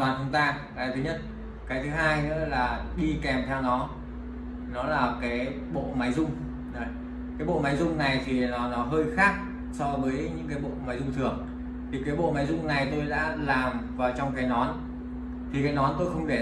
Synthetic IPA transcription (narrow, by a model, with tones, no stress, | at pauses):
aː˨˩nt͡ɕʊ˨˦ŋ͡mt̪aː˧ | aː˨˩t̪ʰɨ˨˦ɲə˦˥t̚ | kaː˨˦jt̪ʰɨ˨˦ɦaː˧jnɨ̰˧˥ə˥laː˨˩ɗi˧kɛ˨˩mt̪ʰɛ˧wnɔ˨˦ | nɔ˨˦laː˨˩kaː˨˦j | ɓo̰˧˨ma˨˦jzʊ˧ŋ͡m | zo˨˦j | kaː˨˦jɓo̰˧˨ma˨˦jzʊ˧ŋ͡mna˨˩jt̪ʰi˨˩nɔ˨˦nɔ˨˦ɦəː˧jxaː˦˥k̚ | sɔ˧vəː˨˦jɲɨ̰˧˥ŋkaː˨˦jɓo̰˧˨maː˨˦jzʊ˧ŋ͡mt̪ʰɨ˨˩əŋ | t̪ʰi˨˩kaː˨˦jɓo̰˧˨maː˨˦jzʊ˧ŋ͡mna˨˩jt̪o˧jɗa̰ː˧˥laː˨˩mvaː˨˩wt͡ɕɔ˧wŋ͡mkaː˨˦jnɔ˨˦n | t̪ʰi˨˩kaː˨˦jnɔ˨˦nt̪o˧jxə˧wŋ͡mɗe˧˩